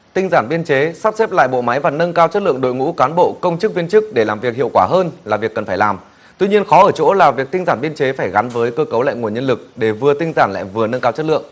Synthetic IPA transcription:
t̪ï˧ŋzaː˧˩nɓi˧ənt͡ɕe˨˦sa˦˥p̚sɛ˦˥p̚la̰ː˧˨jɓo̰˧˨ma˨˦jvaː˨˩nə˧nkaː˧wt͡ɕə˦˥t̚lɨ̰˧˨əŋɗo̰˧˨jŋṵ˧˥kaː˨˦nɓo̰˧˨kə˧wŋ͡mt͡ɕɨ˦˥k̚vi˧ənt͡ɕɨ˦˥k̚ɗe˧˩laː˨˩mvi˨˩ək̚hḭ˧˨əwkwaː˧˩ɦəː˧nlaː˨˩vi˨˩əkːə˨˩nfaː˧˩jlaː˨˩m | t̪wi˧ɲi˧ənxɔ˨˦ʔəː˧˩t͡ɕo̰˧˥laː˨˩vi˨˩ək̚t̪ï˧ŋ̟zaː˧˩nɓi˧ənt͡ɕe˨˦faː˧˩jɣa˨˦nvəː˨˦jkəː˧kə˨˦wla̰ː˧˨jŋu˨˩əɲə˧nlɨ˨˩k̚ɗe˧˩vɨ˨˩ət̪ï˧ŋ̟zaː˧˩nla̰ː˧˨jvɨ˨˩ənə˧nkaː˧wt͡ɕə˦˥t̚lɨ̰˧˨əŋ

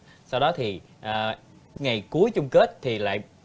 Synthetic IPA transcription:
sa˧wɗɔ˨˦t̪ʰi˨˩ | ʔəː˨˩ | ŋa˨˩jku˨˦əjt͡ɕʊ˧ŋ͡mke˦˥t̚t̪ʰi˨˩la̰ː˧˨j

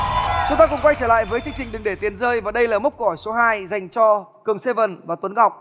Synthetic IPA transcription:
t͡ɕʊ˨˦ŋ͡mt̪aː˧kʊ̰˧ŋ͡mkwa˧jt͡ɕəː˧˩la̰ː˧˨jvəː˨˦jt̪i˨˧˦ŋt͡ɕï˨˩ŋ̟ɗɨ˨˩ŋɗe˧˩t̪i˨˩ənzəː˧jvaː˨˩ɗə˧jlaː˨˩mə˦˥k͡p̚kːɔ˨˩jso˨˦ɦaː˧jza˨˩jŋ̟t͡ɕɔ˧kɨ˨˩əŋse˧və˨˩nvaː˨˩t̪wə˨˦nɣa˨˩wk͡p̚

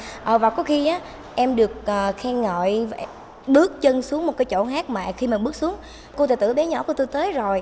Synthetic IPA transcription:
ʔəː˨˩vaː˨˩kɔ˨˦xi˧ʔaː˨˦ | ʔɛ˧mɗɨ˨˩ək̚ʔəː˨˩xɛ˧ŋɔ̰˧˨jv | ɓɨ˦˥ək̚t͡ɕə˧nsu˨˦əŋmo˨˩t̚ka˨˦jt͡ɕo̰˧˩haː˦˥k̚maː˨˩xi˧maː˨˩ɓɨ˦˥ək̚su˨˦əŋ | ko˧t̪eː˨˧˩t̪ɨ̰˧˩ɓɛ˨˦ɲɔ̰˧˩˥ku˧˩ət̪u˧jt̪əː˨˦jzo˨˩j

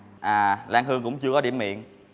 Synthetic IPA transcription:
ʔaː˨˩laː˧ŋhɨ˧əŋkʊ̰˧˥wŋ͡mt͡ɕɨ˧əkɔ˨˦ɗḭ˧˩əmḭ˧˨ən

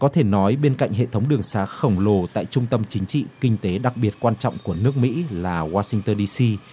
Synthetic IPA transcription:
kɔ˨˦t̪ʰe˧˩nɔ˨˦jɓe˧nka̰˧˨jŋɦḛ˧˨t̪ʰə˨˦wŋ͡mɗɨ˨˩əŋsaː˨˦˥xə˨˩wŋ͡mlo˨˩t̪a̰ː˧˨jt͡ɕʊ˧ŋ͡mt̪ə˧mt͡ɕï˨˦ŋ̟t͡ɕḭ˧˨kï˧ŋ̟t̪e˨˦ɗa˨˩k̚ɓi˨˩ət̚kwaː˧nt͡ɕɔ̰˧˨wŋ͡mku˧˩ənɨ˦˥ək̚mḭ˧˥laː˨˩waː˧sï˧ŋt̪əː˧nɗi˧si˧

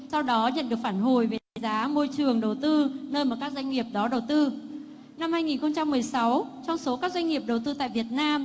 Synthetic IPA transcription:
sa˧wɗɔ˨˦ɲə̰˧˨nɗɨ˨˩ək̚faː˧˩nɦo˨˩jve˨˩t̪aː˨˦jzaː˨˦mo˧jt͡ɕɨ˨˩əŋɗə˨˩wt̪ɨ˧nəː˧jmaː˨˩kaː˦˥k̚za˧jŋ̟ŋi˨˩əp̚ɗɔ˨˦ɗə˨˩wt̪ɨ˧ | na˧mhaː˧jŋi˨˩nxə˧wŋ͡mt͡ɕa˧mːɨ˨˩əjsa˨˦wt͡ɕɔ˧wŋ͡mso˨˦kaː˦˥k̚zwa˧jŋ̟ŋi˨˩əp̚ɗə˨˩wt̪ɨ˧t̪a̰ː˧˨jvi˨˩ət̚naː˧m

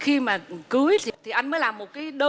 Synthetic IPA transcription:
xi˧maː˨˩kɨ˨˦əjt̪ʰt̪ʰi˨˩ʔa˧jŋ̟məː˨˦jlaː˨˩mːo˨˩t̚kaː˨˦jɗə˧

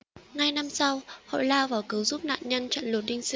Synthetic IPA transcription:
ŋa˧jna˧msa˧who̰˧˨jlaː˧wvaː˨˩wkɨ˨˦wzu˦˥p̚na̰ː˧˨nɲə˧nt͡ɕə̰˧˨nlo˨˩t̚ɗï˧ŋ̟sɨ˧

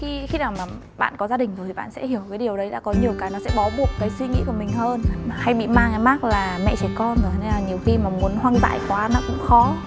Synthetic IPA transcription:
xi˧xi˧naː˨˩wmaː˨˩ | ɓa̰ː˧˨nkɔ˨˦zaː˧ɗï˨˩ŋ̟zo˨˩t̪ʰi˨ɓa̰ː˧˨nsɛ̰˧˥hi˧˩əwkaː˨˦jɗi˨˩əwɗə˨˦jɗa̰ː˧˥kɔ˨˦ɲi˨˩əwkaː˨˦jnɔ˨˦sɛ̰˧˥ɓa˨˦ɓu˨˩əkːaː˨˦jswi˧ŋḭ˧˥kəmï˨˩ŋ̟həː˧n˨ha˧jɓḭ˧˨maː˧ŋʔaː˨˧jma˦˥k̚laː˨˩mɛ̰˧˨t͡ɕɛ˧˩kɔ˧nzo˨˩˧ne˧nlaː˨˩ɲi˨˩əwxi˧maː˨˩mu˨˦ənhwaː˧nt̪a̰ː˧˨jkwaː˨˦nɔ˨˦kʊ̰˧˥ŋ͡mxɔ˨˦

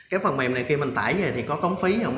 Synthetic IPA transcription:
kaː˨˦jfə˨˩nmɛ̰˨˩mna˨˩jxi˧mï˨˩ŋ̟t̪a̰ː˧˩˨jzə˨˩jt̪ʰi˨˩kɔ˨˦t̪ə˨˦wŋ͡mfi˨˦zə˨˩m

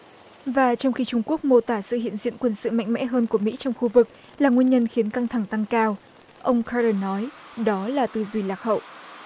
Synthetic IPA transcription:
vaː˨˩t͡ɕɔ˧ŋ͡mxi˧t͡ɕʊ˧ŋ͡mku˦˥ək̚mo˧t̪aː˧˩sɨ̰˧˨hḭ˧˨ənzḭ˧˨ənkwə˧nsɨ̰˧˨ma̰˧˨jŋ̟mɛ̰˧˥ɦəː˧nku˧˩əmḭ˧˥t͡ɕɔ˧wŋ͡mxu˧vɨ˨˩k̚ | laː˨˩ŋwi˧əɲə˧nxi˨˦ənka˧ŋt̪ʰa˧˩ŋt̪a˧ŋkaː˧w | ʔə˧wŋ͡mkʰa˧zə˧nɔ˨˦jɗɔ˨˦laː˨˩t̪ɨ˨˩zwi˨˩laː˨˩k̚hə̰˧˨wʔ

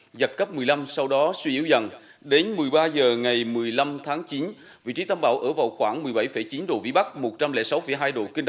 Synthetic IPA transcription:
zə˨˩t̚kə˦˥p̚mɨ˨˩əjla˧msa˧wɗɔ˨˦swi˧ʔi˧˩əwzə˨˩n | ɗe˨˦nmɨ˨˩əjɓaː˧zəː˨˩ŋa˨˩jmɨ˨˩əjla˧mt̪ʰaː˨˦ŋt͡ɕi˨˦n | vḭ˧˨t͡ɕi˨˦t̪aː˧mɓa̰ː˧˩wʔəː˧˩vaː˨˩wxwaː˧˩ŋmɨ˨˩əjɓa˧˩jfə˧˩jt͡ɕi˨˦nɗo̰˨˩vḭ˧˥ɓa˦˥k̚mo˨˩t̚t͡ɕa˧mlɛ̰˧˥sa˨˦wfə˧˩jɦaː˧jɗo̰˧˨˩ki˧ŋɗ

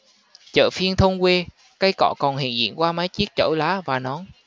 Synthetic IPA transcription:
t͡ɕə̰ː˧˨fi˧ənt̪ʰə˧wŋ͡mkwe˧ | ka˧jkɔ̰˧˨kɔ˨˩nhḭ˧˨ənzḭ˧˨ənkwaː˧maː˨˦jt͡ɕi˦˥ək̚t͡ɕə̰˧˩jlaː˨˦vaː˨˩nɔ˨˦n

